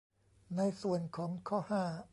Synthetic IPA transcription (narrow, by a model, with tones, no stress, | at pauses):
na˧jsu˨˩ənkʰɔː˩˦ŋkʰɔː˥˩haː˥˩